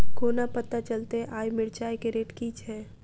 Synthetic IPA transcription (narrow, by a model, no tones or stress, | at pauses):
koːnapət̪at͡ʃəlt̪eʔaːjmɪɾt͡ʃaːjkeɾeːʈkiːt͡ʃʰɦɛː